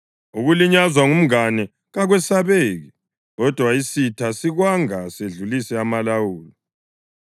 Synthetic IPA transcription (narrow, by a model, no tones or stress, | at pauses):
uɣuliɲazwaŋum̩anɛ | ɣaɣwɛsaβeːɣi | ɣɔd̥ʱwaisitʰasiɣwaŋaseɮulisɛamalawuːli